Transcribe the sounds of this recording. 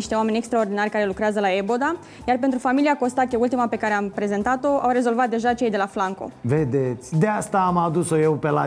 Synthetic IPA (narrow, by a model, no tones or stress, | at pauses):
iʃt̪e̞oame̞nʲe̞kst̪ɾao̞rd̪inarʲkaɾe̞lukɾeazəlaebo̞d̪a | jarp̬e̞nt̪ɾufamiliako̞st̪akʲeult̪imape̞kaɾeampɾe̞ze̞nt̪at̪o̞ʔawɾe̞zo̞lvat̪̚d̪e̞ʒat͡ʃe̞jd̪e̞laflaŋko̞̰ved̪et̪sʲd̪east̪aːmad̪uso̞jewpela